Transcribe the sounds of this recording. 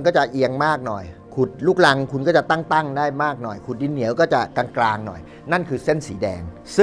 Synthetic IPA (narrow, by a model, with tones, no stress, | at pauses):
nkɔː˥˩t͡ɕa˨˩ʔi˧əŋmaː˥˩k̚nɔ˨˩jkʰu˨˩t̪̚luː˥˩k̚la˧ŋkʰu˧nkɔː˥˩t͡ɕa˨˩t̪a˥˩ŋt̪a˥˩ŋdaː˥˩jmaː˥˩k̚nɔ˨˩jkʰu˨˩t̪̚di˧nːi˩˦əwkɔː˥˩t͡ɕa˨˩ka˧ŋklaː˧ŋnɔ̰˨˩j | na˥˩nkʰɯː˧se˥˩nsiː˩˦dɛ̰ː˧ŋ | sɯ˥˩